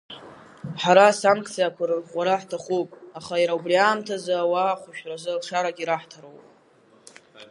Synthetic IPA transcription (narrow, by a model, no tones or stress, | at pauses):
ħaɾasaŋkʰʼt͡sʰijakʷʰarqʷʼaɾaħtʰaχupʼaχajɾaubriaːmtʰazaːwaχʷaʃᶣrazɨlʈ͡ʂʰaɾaɡʲiɾaħtʰaɾowpʼ